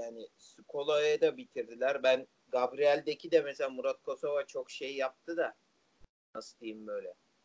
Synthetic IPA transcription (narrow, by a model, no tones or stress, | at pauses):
jaːnisukʰo̞lˠaɯd̪abit̪ʰiɾd̪ilʲæɾbæn | ɡabɾijælʲd̪ecʰid̪ɛmɛselʲaːmuɾat̪̚kʰo̞sovat͡ʃʰo̞kʃejjap̚t̪ʰɯd̪a | nast̪ˠɯjɯmbø̞jlʲɛ